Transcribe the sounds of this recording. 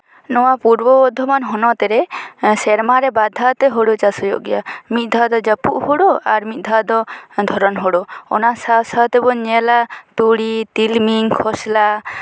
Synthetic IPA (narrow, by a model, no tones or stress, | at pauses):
nɔwapuɾbɔbɔd̪ʱːɔmanɦɔnɔt̪ɛɾɛsɛɾmaɾɛbad̪ʱat̪ɛɦoɽot͡ʃasɔjɔ̰ʔɡɛjamit̪̚ˀd̪ʱad̪ɔd͡ʒapṵʔhoɽɔaɾmit̪̚ˀd̪ʱad̪ɔd̪ʱɔɾɔnɦɔɽɔɔ̰nasasat̪ɛbɔɲɛlat̪uɽit̪ilmiŋkʰɔsla